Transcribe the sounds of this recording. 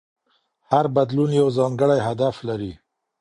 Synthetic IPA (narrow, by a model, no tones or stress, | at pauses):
haɾbad̪lunjawzɑŋɡəɽajɦad̪aflaɾi